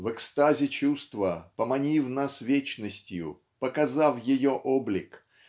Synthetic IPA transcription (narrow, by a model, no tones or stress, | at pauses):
vɛkst̪azʲɪt͡ɕust̪vəpəmɐnʲifnasvʲet͡ɕnəsʲtʲjʊ̰ | pəkɐzafjɪjoʔoblʲɪk